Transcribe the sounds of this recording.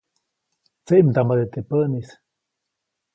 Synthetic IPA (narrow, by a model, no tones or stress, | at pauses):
t͡seʔmd̪amad̪et̪epənis